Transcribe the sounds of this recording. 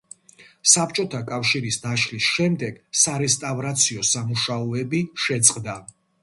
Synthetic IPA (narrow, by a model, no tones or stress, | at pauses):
sapʰt͡ʃʼɔt̪ʰakʼafʃiɾisd̪aʃlisʃɛmd̪ɛɡ̥saɾɛst̪ʼavɾat̪sʰiɔsamuʃaɔɛbiʃɛt̪sʼqʼd̪a